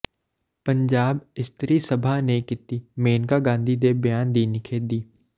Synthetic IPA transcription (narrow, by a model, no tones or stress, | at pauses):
pɐ̃ɲd͡ʒaːbɪst̪ɾisɐbʱanekɪt̪imeːnkaɡãːnd̪ʱid̪eːbjaːnd̪iːnɪkʰed̪iː